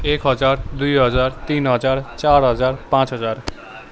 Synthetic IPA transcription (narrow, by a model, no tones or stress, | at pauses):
ekɦʌd͡zard̪ujɦʌd͡zart̪inɦʌd͡zart͡saɾɦʌd͡zarpãt͡sɦʌd͡zar